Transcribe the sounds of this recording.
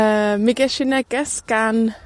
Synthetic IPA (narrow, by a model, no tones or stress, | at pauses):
əmɪɡɛʃɪnɛɡ̥ɛsɡ̥an